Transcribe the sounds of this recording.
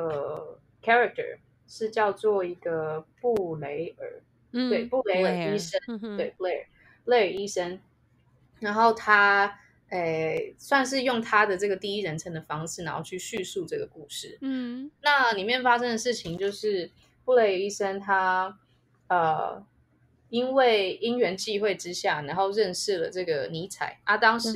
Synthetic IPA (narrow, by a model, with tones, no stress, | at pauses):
ə˩ | kʰɛ˥ɹa˧k̚tʰə̰˨˩ | ʂɻ̩˥˧t͡ɕjɑ˥˧ʊt͡swɔ˥˩i˧˥ɡə˧pu˥˩le˧˥ɪə̰˞˨˩˦ | t̪we˥˩ɪpu˥˩˨le˧˥ɪə˨˩i˥ʂə˥nt̪we˥˩ɪpu˥˩le˥˩ɪə˨˩˥ | le˥˩ɪə˞˨˩i˦˥ʂə˥n | na˨˦nxo˥˩ʊt̪ʰa˥ | e˥˧˩swa˥˧nʂ̬ɻ̩˥˧jʊ˥˩ŋt̪ʰa˦d̪ə˨ʈ͡ʂɤ˥˩ɡə˩t̪i˥˧i˦˥ɻə˧˦nʈ͡ʂʰə˧˥ŋd̪ə˨˩fɑ˥ŋʂɻ̩˥˩na˨˧˦nxo˥˧ʊt͡ɕʰy˥˧ɕy˥˧su˥˧ʈ͡ʂɤ˥˩ɡə˩ku˥˧ʂɻ̩˥˩na˥˩li˨˩mjɛ˥˩nfa˥ʂə˥ŋd̪ə˨˩ʂɻ̩˥˩t͡ɕʰi˧˥ŋt͡ɕjo˥˧ʊʂɻ̩˥˩ | pu˥˩˨le˧˥ɪ˧i˥ʂə˥nt̪ʰa˥ | ə˨˩ | i˦nwe˥˩ɪi˥ŋɥɛ˧˥nt͡ɕi˥˧xwe˥˩ɪʈ͡ʂɻ̩˥ɕja˥˩na˨˧˥nxo˥˧ʊɻə˥˧nʂɻ̩˥˩lə̰˩ʈ͡ʂɤ˥˩ɡə˩ni˧˥t͡sʰa̰˨˩˦ɪna˥˩t̪ɑ˥ŋʂ̩˨˧